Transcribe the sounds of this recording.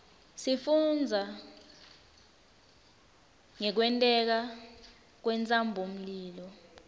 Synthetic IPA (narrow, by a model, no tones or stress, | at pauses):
sifund͡zʱa | ŋɛk̬wɛntʼɛk̬a | k̬wɛnt͡sʼambʱom̩liːlɔ